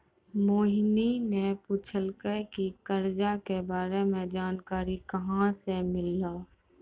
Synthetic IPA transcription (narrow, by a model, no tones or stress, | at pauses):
moːɦninepuːt͡ʃʰəlkəkikəɾd͡ʒakebaːɾemẽd͡ʒaːnkaːɾikɐɦãsemɪlːaː